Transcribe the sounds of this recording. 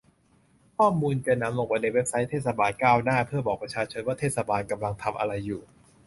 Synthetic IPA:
kʰɔː˥˩muː˧nkeː˧nːa˧˥mlo˧˥ŋwaː˧˩ne˧˩we˦˥p̚sa˦˥jt̪ʰeː˥˩sa˧baː˧nkaː˥˩wnaː˥˩pʰɯ˥˩ɐbɔː˨˩k̚pɾa˧t͡ɕʰaː˧t͡ɕʰo˧nwaː˥˩t̪ʰeː˥˩t̪̚sa˧baː˧nka˧mla˧ŋt̪ʰa˧mʔa̰˧ɾa˧jːuː˨˩

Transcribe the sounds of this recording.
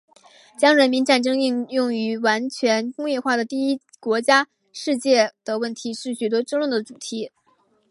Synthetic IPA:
t͡ɕjɑ˥ŋɻə˧˥nmi˧˥nʈ͡ʂa˥˩nʈ͡ʂɤ˥ŋi˥˧ŋjʊ˥˩ŋy˧˥wa˧˥nt͡ɕʰɥɛ˧˥nkʊ˥ŋjɛ˥˧xwa˥˩d̪ə˩t̪i˥˩i˥ | kwɔ˧˥t͡ɕja˥ | ʂɻ̩˥˧t͡ɕjɛ˥˩d̪̥ə˩wə˥˩nt̪ʰi˧˥ʂɻ̩˥˩ɕy˨˩t̪̬wɔ˥ʈ͡ʂɤ˥˧ŋlwə˥˩d̪ə˩ʈ͡ʂu˨˩t̪ʰi˧˥

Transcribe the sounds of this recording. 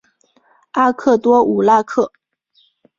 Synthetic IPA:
a˥kʰɤ˥˩t̪wɔ˥u˨˩la˥kʰɤ˥˩

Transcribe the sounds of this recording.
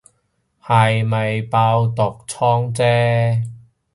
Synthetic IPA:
ha˨jmɐ˨jpaː˧wt̪ɔ˨k̚t͡sʰɔː˥ŋt͡sɛː˥

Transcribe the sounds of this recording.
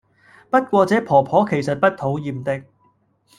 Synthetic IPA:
pɐ˥t̚kʷɔː˧t͡sɛː˨˥pʰɔː˨˩pʰɔː˨˥kʰe˨˩jsɐ˨t̚pɐ˥t̚t̪ʰo˨˥wjiː˨mt̪ɪ˨k̚

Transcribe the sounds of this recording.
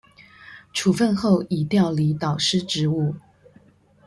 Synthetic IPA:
ʈ͡ʂʰu˨˩fə˥˧nxo˥˩ʊi˨˩t̪jɑ˥˩ʊli˧˥t̪ɑ˨˩ʊʂɻ̩˥ʈ͡ʂɻ̩˧˥u˥˩

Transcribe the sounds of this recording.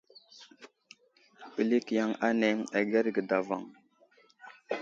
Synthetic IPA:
pə˨li˦kja˨˦ŋa˦ne˨˦ŋa˨ɡe˦ɾɡə˨da˨va̰˨ŋ

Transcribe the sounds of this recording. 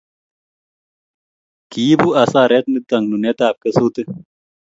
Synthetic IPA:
ki˨˦bu˦a˨sa˦˨ɾɛ˦t̪̚nɨ˦t̪a˨ŋnu˨nɛ˦t̪aː˨p̚kə˦su˦t̪ɨ˦

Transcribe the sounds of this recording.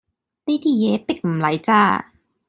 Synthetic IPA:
ne˥˨t̪ʰiː˥˩jɛː˨˥pe˧˩k̚m̩˨˩lɐ˨˦jkaː˧˩

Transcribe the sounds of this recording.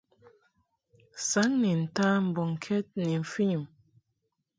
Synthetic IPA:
sa˨˦ŋni˨n̩˨ta˦m̩˨bɔ˨ŋ˨kʰɛ˦t̚ni˨ɱ̩˨fi˦ɲu˨m

